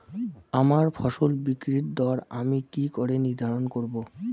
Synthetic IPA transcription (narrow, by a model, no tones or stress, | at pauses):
amaɾfʰɔʃolbikɾiʈd̪ɔɾamikikoɾeniɾd̪ʱaɾonkoɾbo